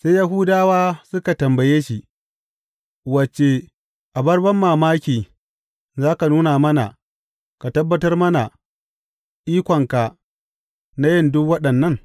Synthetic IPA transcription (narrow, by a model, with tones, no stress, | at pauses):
se˦jja˦ɦʊ˦daː˦waː˦sʊ˦ka˨tɐ˨mbɐ˨jeː˦ʃi˨ | wɐ˨t͡ʃe˨ | ʔa˨bɐ˦rbɐ˦mːaː˨maː˦kʲiː˨ | zaː˦ka˨nuː˦naː˨mɐ˦na̰˨ | ka˨tɐ˦bːɐ˦tɐ˦rmɐ˦na˨ | ʔiː˦kʷɔ˨ŋka˨ | na˦jɪ˦˨ndʊ˦kwɐ˦ɗɐ˨nːɐ˦˨ŋ